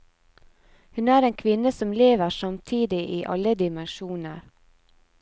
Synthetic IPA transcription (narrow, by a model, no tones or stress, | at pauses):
hʉnæːɾeːnkʰʋɪnəsɔmleːʋəʃɑmt̪ʰiːd̪ɪʔiːʔɑ̰ləd̪ɪmənʃuːnəɾ